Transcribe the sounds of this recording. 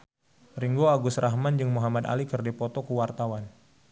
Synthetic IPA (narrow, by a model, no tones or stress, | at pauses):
riŋɡoaɡʊsrʔaɦmand͡ʒɨŋmuɦamad̪a̰likərdipɔt̪okuwart̪awan